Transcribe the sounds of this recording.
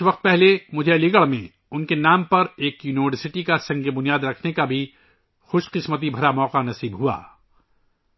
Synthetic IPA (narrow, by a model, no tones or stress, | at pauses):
ʋɐq̚t̪̚pɛɦlemʊd͡ʒʱelɪɡəɭmẽ | ʊnkenaːmpɐɾeːkjuːniʋəɾsɪʈikasɐ̃ŋɡebʊnijaːd̪ɾɐkʰnekabʱi | xʊʃqɪsmət̪̬ibʱɐɾamɔːqanɐsiːbɦua̰ː